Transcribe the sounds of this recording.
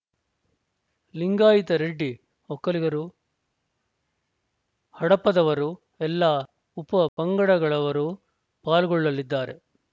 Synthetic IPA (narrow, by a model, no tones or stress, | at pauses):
liŋɡaːjit̪ɐɾeɖːi | hɔkːɐliɡɐɾu | hɐɽɐpːɐd̪ɐʋɐɾu | ɛlːaː | upːɐpɐŋɡɐɽɐɡɐɭɐʋɐɾu | paːlɡɔɭːɐlːid̪ːaːɾe̞̰